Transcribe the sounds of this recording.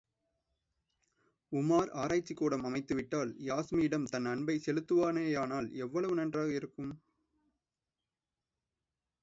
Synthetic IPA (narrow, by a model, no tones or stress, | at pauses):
ʊmaːɾaːɾaːt͡ʃːikːuːɽɐmɐmɐɪt̪ːɯʋɪʈːaːljaːsmijɪɽɐmt̪ɐnɐɳbɐɪsɛlɯt̪ːɯʋaːneːjaːnaːlɛʋːɐɭɐʋɯnɐndraːɣɐɪɾɯkːɯm